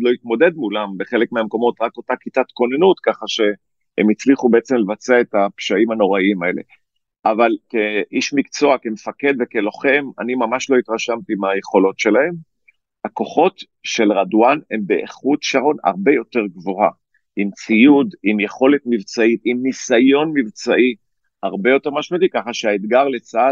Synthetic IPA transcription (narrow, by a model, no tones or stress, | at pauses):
loit̪mo̞d̪e̞d̪̚mulambeχe̞lekmeamko̞mo̞t̪ʁako̞takitat̪ko̞nenut̪kaχaʃe̞ | emit͡sliχube̞et͡se̞mlevat͡seaet̪apʃaimano̞ʁaimae̞le̞̰ | ʔavalkeʔiʃmikt͡so̞akemefake̞d̪vekelo̞χe̞ma̰nimamaʃlo̞it̪ʁaʃamt̪imaje̞χo̞lo̞tʃe̞lahe̞m | hako̞χo̞t | ʃe̞lʁadwane̞mbeʔeχut̪ʃaʁo̞na̰ʁbe̞jo̞t̪e̞ʁɡvo̞ha̰ | imt͡sijud̪imjeχo̞le̞t̪mivt͡sait̪imnisajo̞nmivt͡saʔi | aʁbe̞jo̞t̪e̞ʁmaʃmod̪ikaχaʃeaed̪ɡaʁle̞t͡sa